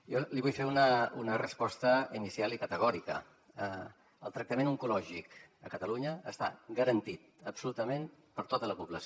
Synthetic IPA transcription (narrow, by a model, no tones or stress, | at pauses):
jɔliβujfeunəunərəspɔst̪əinisialˠikət̪əɣ̞ɔɾikə̰ | əlˠt̪ɾək̚t̪əmenuŋkulɔʒikəkət̪əluɲəəst̪a̰ɡəɾənt̪it̪̚əpsulut̪əmenpəɾt̪ot̪ələpuβləs